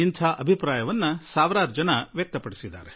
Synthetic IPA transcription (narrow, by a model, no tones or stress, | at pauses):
int̪ʰaːʔɐbʱipɾaːjɐʋɐnːɐsaːʋɾaːɾd͡ʒɐnɐʋjɐk̚t̪ɐpɐɽisid̪ːa̰ːɾe